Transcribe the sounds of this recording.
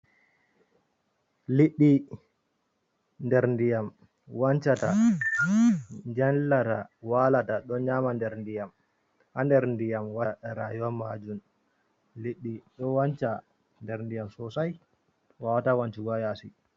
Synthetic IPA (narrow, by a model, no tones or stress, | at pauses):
liɗːi | ndɛɾndijam | want͡ʃata | ɲd͡ʒɛnlatawalataɗɔɲaːmandɛɾndijam | handɛɾndijamwaɾajuwamad͡ʒun | liɗːiɗɔwant͡ʃa | ndɛɾndijamsɔsaj | wawatawant͡ʃiɡajasḭ